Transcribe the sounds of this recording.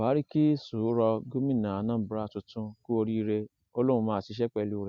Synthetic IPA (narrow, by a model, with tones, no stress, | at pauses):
baː˨˦ɾi˦ki˦su˨˦ɾɔ˧ɡo˦mĩ˦˨nã˨a˨nã˦˨˦bɾa˦˨tũ˧tũ˧ku˦o˧ɾi˦˧ɾe˧ | o˧lõ˦ũ˧mãː˦˨si˨˧˦ʃ̬ɛ˦k͡pɛ˧lu˦˨˧ɾɛ˨